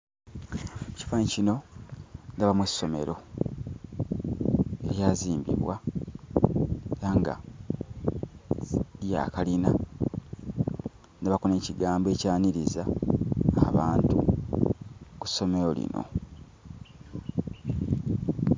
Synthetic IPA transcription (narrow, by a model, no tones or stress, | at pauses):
uci̥faːncino̞ | ndaβamwesːo̞me̞̰ɾo̞̰ | e̞ɾjaːziːmbḭβwa | aŋɡa̰ | ja̰kalina | naβakone̞ːciɡaːmbe̞caːniɾizaː | βaːntu | ku̥sːo̞me̞ɾo̞lḭno̞̰